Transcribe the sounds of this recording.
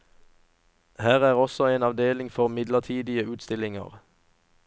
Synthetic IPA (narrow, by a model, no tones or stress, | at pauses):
hæːʁæːʁɔsɔeːnɑʋd̪eːlɪŋfɔʁmɪd̪ləʁt̪ʰiːd̪ɪəʉːt̪st̪ɪlɪŋə̰ʁ